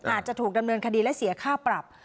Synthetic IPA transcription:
ʔaː˨˩t̪̚t͡ɕa˨˩t̪ʰuː˨˩k̚da˧mnɤː˧nkʰa˧diː˧lɛ˦˥si˩˦ɐkʰaː˥˩pɾa˨˩p̚

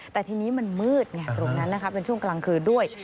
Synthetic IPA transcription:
t̪ɛː˨˩t̪ʰiː˧niː˦˥ma˧nmɯː˥˩t̪̚nɛ˧˩t̪ɾo˧ŋna˦˥nːa˦˥kʰa˦˥pe˧nt͡ɕʰu˥˩əŋklaː˧ŋkʰɯː˧du˥˩əj

